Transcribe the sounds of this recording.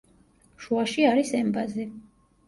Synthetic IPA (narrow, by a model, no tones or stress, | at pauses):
ʃuaʃiaɾisɛmbazɛ